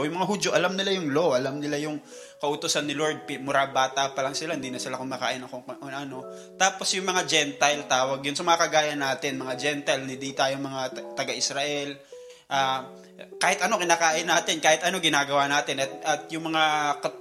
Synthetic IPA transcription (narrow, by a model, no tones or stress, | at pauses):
jʊŋmɐŋaɦud͡ʒoʔɐlamnɪlajʊŋloʔɐlamnɪlajʊŋ | kɐʔʊt̪ʊsanːɪloɹd̪̚pɪmʊɾabaːt̪ɐpɐlɐŋsɪlahɪnd̪iːnɐsɪlakoŋmɐka̰ːʔɪnɐkoŋkʔonɐno̞ | t̪aːposjʊŋmɐŋad͡ʒɛnt̪ɐjlt̪aːwɐɡjʊnsɐmɐŋakɐɡaːjɐnːaːt̪ɪnmɐŋad͡ʒɛnt̪ɐjlnɪd̪it̪aːjoŋmɐŋat̪ɐɡaʔɪsɾaʔɛl | ʔaː | kaːhɪt̪ʔɐno̞kɪnaːkaːʔɪnːaːt̪ɪnkaːhɪt̪ʔɐno̞ɡɪnaːɡɐwaːnaːt̪ɪnɐt̪̚ɐt̪jʊŋmɐŋakɐ